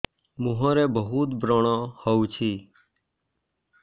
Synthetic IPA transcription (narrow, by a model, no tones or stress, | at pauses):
mũɦõːɾeːbəɦuːt̪bɾoːɳãːhəut͡ʃʰiː